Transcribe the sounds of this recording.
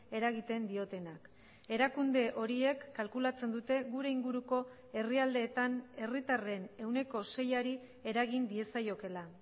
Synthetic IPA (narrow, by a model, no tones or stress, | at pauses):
e̞ɾaɣit̪e̞nd̪io̞t̪e̞nak | e̞ɾakund̪e̞ʔo̞ɾie̞kːalkulat͡se̞nd̪ut̪e̞ɣuɾe̞iŋɡuɾuko̞ | e̞riald̪e̞ːt̪ane̞rit̪are̞ne̞wne̞ko̞se̞jaɾi | e̞ɾaɣ̞ind̪ie̞sajo̞ke̞la